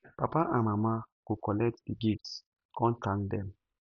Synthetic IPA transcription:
papaʔãmamakukɔlɛtdiɡifs | kɔ̃ntãŋdɛm

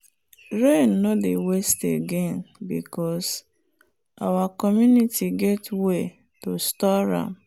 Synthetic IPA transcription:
ɾenːodewesteɡenbḭkɔs | awakɔmjunitʰiɡɛtwe | tostɔɾa̰m

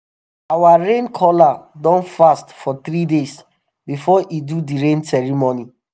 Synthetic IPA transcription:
awaɹẽnkʰɔladɔ̃nfastfɔt̪ɾides | bifɔʔidudiɹẽnsɛɹimoni

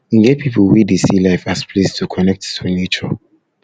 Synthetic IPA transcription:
ĩŋɡepʰipuwidesilaɪfaspʰlestʰukʰɔnɛk̚tːunet͡ʃɔ

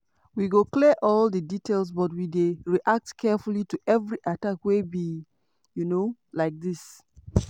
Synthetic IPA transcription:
wiɡoklɛʔɔldəditʰels̬bɔt̬wideɹiʔak̚tkʰɛfulituʔɛvɹiʔatakwebi | junolaɪk̚ðis

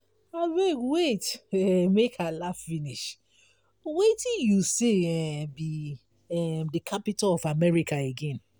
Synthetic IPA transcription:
awewetɛmekalaffiniʃ | wetĩnjuseɛbi | ɛmdəkʰapitalɔfamɛɹikaeɡɛ̃n

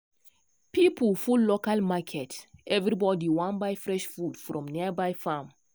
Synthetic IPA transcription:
pipəlfulːokalmakʰɛtɛvɾibɔdiwãnbajfɹɛʃfudfɾɔ̃mniəbajfam

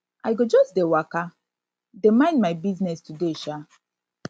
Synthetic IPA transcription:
ajɡod͡ʒɔsdewaka | demãɪ̃ndmaɪbiznɛstudeʃa

